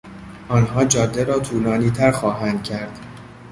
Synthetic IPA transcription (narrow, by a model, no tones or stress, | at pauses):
ʔɒːnɦɒːd͡ʒɒːd̪ːeɾɒːt̪ʰuːlɒːniːt̪ʰæɾxɒːɦænd̪̥̚cʰæɾd̪̥